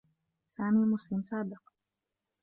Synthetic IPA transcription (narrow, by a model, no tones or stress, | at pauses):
saːmiːlmʊslɪmsaːbɪq